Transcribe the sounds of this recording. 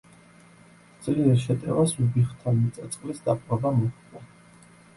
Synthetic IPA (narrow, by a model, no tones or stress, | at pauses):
d̪z̥liɛɾʃɛt̪ʼɛvasubiχt̪ʰanmit̪sʼat̪sʼqʼlisd̪apʼɾɔbamɔχkʼa